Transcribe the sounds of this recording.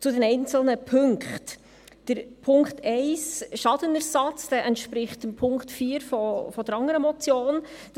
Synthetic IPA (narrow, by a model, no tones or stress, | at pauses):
t͡sʊdɛnɛɪnt͡sl̩nəpʰɵŋkχt | d̥əɾpʰʊŋktɛɪsʃɑd̥ənəɾsɑt͡sd̥ɛːʔɛntʃpɾɪχtəmpʰʊŋktfiːəɾfɔfɔdəɾɑŋəɾəmɔt͡sjoːn | d̥